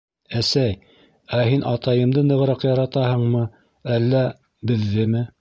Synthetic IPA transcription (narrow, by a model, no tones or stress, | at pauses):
æsæj | æɦinʔɑt̪ɑjɤ̆md̪ɤnɤ̆ʁ̆ɾɑqjɑɾɑt̪ɑhɤ̆ɴmɤ | ælːæ | bɘ̆ðːɘmɘ